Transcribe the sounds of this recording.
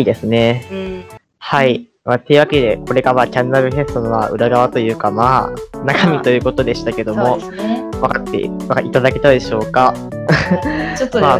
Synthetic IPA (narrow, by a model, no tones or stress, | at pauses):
iːd̪e̞sɨne̞ | hai | maːt̪ːeɯ̟βake̞d̪e̞ko̞ɾe̞ɡamaːkʲanːaɡɯ̟he̞sɨ̥t̪o̞nomaːʔɯ̟ɾaɡaβat̪o̞jɯ̟ːkamaːnakamʲit̪o̞jɯ̟ːko̞t̪o̞d̪e̞ɕi̥t̪ake̞d̪o̞mo̞ | βakat̪ːḛβakit̪ad̪ake̞t̪ad̪e̞ɕo̞ːka | maː